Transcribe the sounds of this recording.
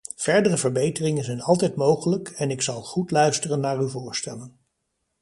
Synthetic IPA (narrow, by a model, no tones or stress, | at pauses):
v̥ɛɹdərəvəɹbejtərɪŋənzɛjnɑlˠtɛjtmowχələkɛnɪksɑlˠχutlœɥstərənːaːɹyvʊːɹstɛlən